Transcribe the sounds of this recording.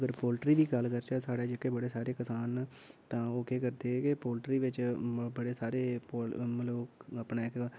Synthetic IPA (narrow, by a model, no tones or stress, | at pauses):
ɡəɾpoːlʈɾiːd̪iːkəlkəɾt͡ʃaːsaːɽaːd͡ʒɪkːeːbəɽeːsaːɾeːkəsaːn | t̪ãːoːkeːkəɾd̪eːkepoːlʈɾiːʋɪt͡ʃbəɽeːsaːɾeːpomlobapnaːɪk